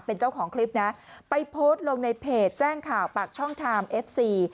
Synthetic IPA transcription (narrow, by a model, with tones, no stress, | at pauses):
pe˧nt͡ɕa˥˩wkʰɔː˩˦ŋkʰli˦˥p̚na˦˥pa˧jpʰoː˦˥st̪̚lo˧ŋna˧jpʰeː˨˩t̪̚t͡ɕɛː˥˩ŋkʰaː˨˩wpa˨˩k̚t͡ɕʰɔ˥˩ŋt̪ʰaː˧mʔe˦˥fsiː˧˨